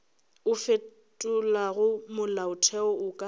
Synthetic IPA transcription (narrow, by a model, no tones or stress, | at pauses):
ʊfe | tʼʊlaɣʊmʊlaʊtʰɛɔʊkʼa